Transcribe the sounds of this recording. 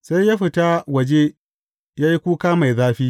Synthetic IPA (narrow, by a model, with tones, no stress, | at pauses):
sa˦ja˦ɸɪ˨ta˦wɐ˨d͡ʒe˦ | jaː˦ji˦kʷuː˦kaː˦ma˨jzaː˦ɸiː˦